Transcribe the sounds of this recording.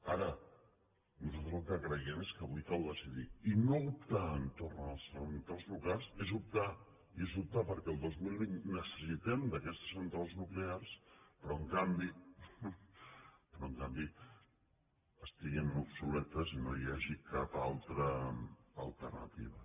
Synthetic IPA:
aɾə | nuzalt̪ɾəzlˠkəkɾəjɛmeskəβujkalˠðəsiðiinoup̚t̪aənt̪ornəlˠsənt̪ɾalˠzlukalˠsezup̚t̪a | iezup̚t̪apəɾkɛəlˠd̪ozmilˠβinnəsə̥sit̪ɛmd̪əkɛst̪ə̥sunt̪ɾalˠznuklearspɾɔəŋkambi | pɾɔəŋkambi | əst̪iɣemupsulɛt̪əzinojaʒikapalˠt̪ɾəː | lˠt̪ərnə̰t̪iβ̞ə

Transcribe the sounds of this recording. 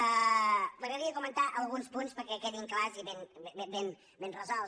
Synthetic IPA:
ələɾɛðiəkumənt̪aʔəlˠɣunspunspəɾkɛkɛðiŋklaziβeneben | benrəzɔlˠ

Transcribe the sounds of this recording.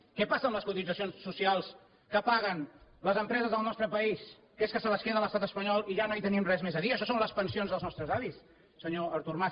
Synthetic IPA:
kɛpasəːmləskut̪id͡zəsionsːusialˠs | kəpaɣənləzəmpɾɛzəzðəlˠnɔst̪ɾəpəis | keskəsələskeðələst̪at̪əspəɲɔlˠiʒanoit̪ənimrɛzmezəðiəːʃɔsonləspənsionzðəlˠznɔst̪ɾəzaβisː | əɲoəɾt̪urma

